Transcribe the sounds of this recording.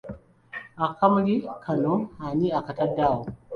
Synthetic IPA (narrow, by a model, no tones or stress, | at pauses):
ʔakamɡikʰanohaniakatadawo